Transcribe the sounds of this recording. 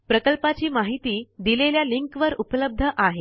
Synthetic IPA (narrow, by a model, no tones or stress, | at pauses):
pɾəkəlpat͡ɕiːmaɦit̪iːd̪ileljaliŋkʋəɾupələb̚d̪ʱəʔaɦe